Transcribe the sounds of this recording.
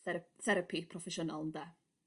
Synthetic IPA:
θɛɾəpʰipʰrɔfɛʃɔnalˠnda

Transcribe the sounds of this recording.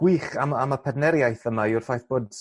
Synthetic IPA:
ɡ̥wiːχamaməpʰɛdnɛɾjajθəmaʊrfajθb̥oːd

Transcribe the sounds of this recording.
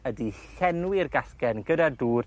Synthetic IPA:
ədiɬɛnwɪrɡaskɛnɡədaduːr

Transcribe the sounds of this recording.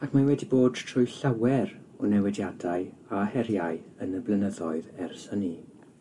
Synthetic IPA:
akʰmanwɛdiboːd̥tʰr̥ʊjɬawɛɾ | ɔnɛwɛdjadaɨahɛɾjaɨənəblˠənəðɔɨðɛrsəni

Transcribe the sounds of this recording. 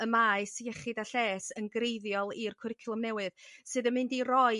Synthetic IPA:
əmaːɨsiɛχɨdaɬeːsənɡrejðjɔlˠirkʰʊɾɪkʰlˠʊmnɛwɨðsɨðəmɨndirɔɨ

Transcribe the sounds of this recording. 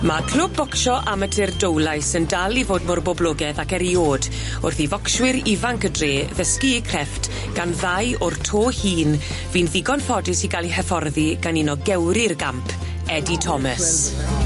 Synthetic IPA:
makʰl̥ʊb̚ːɔkʃɔʔamətʰɪrdowlˠajsəndalˠivoːdmʊrbɔblˠʊɡɛðakɛɾioːd | ʊrθivɔkʃwɪɾivaŋkədreːðəskiikʰrɛft | ɡ̥anðajʔʊrtʰoːhiːn | vinðɪɡɔnfɔdɪsiɡalˠihɛfɔrðiɡ̥aninɔɡɛwɾɪrɡampʰ | ɛditʰɔməs

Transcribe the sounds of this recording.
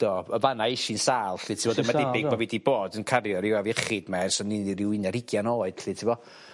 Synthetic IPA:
d̥ɔːəvanaɪʃinsaːlˠɬɨtʰɪvɔdəmaɛbɪɡd̚mavidiboːdənkʰaɾjɔɾɪwaviɛχɨdmarsɔninɾɪwɪnaɾɪɡjanɔːɨd̥ɬɨtʰivɔ

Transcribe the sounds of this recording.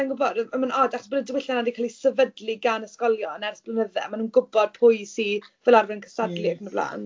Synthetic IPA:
anɡʊbɔdəmanɔdaχɔ̥sbənədɪwɪɬanadikʰaːlˠisəvədliɡanəskɔlˠjɔənɛrθb̥lˠənəðɛmanuːnɡʊbɔd̥̚pʰʊjsivɛlˠarvɛnkʰə̥sadlˠɪɡməblˠa̰ːn

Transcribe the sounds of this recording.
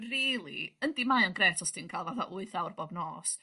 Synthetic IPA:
riːlˠḭəndimajɔnɡrɛːtʰɔstʰiːnkʰaːlˠvaθa̰ʔʊɨθawrbɔbnɔːs

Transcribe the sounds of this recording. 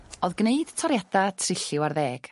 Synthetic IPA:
ɔðɡneɨd̥tʰɔɾjad̥atʰrɪɬɪwarðɛːɡ̥

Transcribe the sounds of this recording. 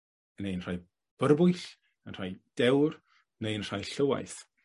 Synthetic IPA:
nejnr̥aj | b̥ərbʊjɬ | ənr̥ajd̥ɛwr | nejənr̥ajɬəwa̰jθ

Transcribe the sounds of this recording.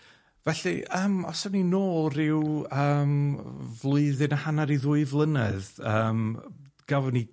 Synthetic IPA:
vɛɬiəːmɔ̰sɔninoːlˠrɪwəːmvlˠʊɨðɨnahanaɾiðʊːɨvlˠənɛðəːm | ɡ̥avɔni

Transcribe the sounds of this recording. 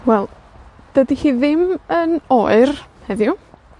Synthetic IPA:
wɛlˠ | d̥ədihiːðɪmənoɨrhɛðjʊ

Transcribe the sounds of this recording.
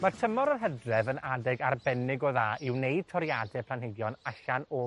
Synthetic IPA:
martʰəmɔɾərɦɛdrɛvənadɛɡarbɛnɪɡɔðaːʔɪwneɨd̥̚tʰɔɾjadɛpʰlˠanɦedjɔnaɬanɔ

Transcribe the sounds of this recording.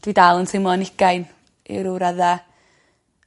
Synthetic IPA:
d̥wiːdalˠənsʰɪmlˠɔnɪɡajn | ḭɾʊwɾaða

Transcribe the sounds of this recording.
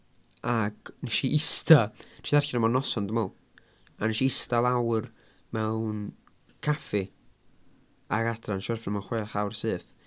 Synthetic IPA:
aɡ̥nɛʃiʔɪstatʰiðarçɪɾəmɔnɔsɔndəmɔlˠ | anɛʃiɪstalˠawr | mɛwn | kʰafɪ | aɡadranʃɔrfɪrmɔχwɛːχawrsɨːθ

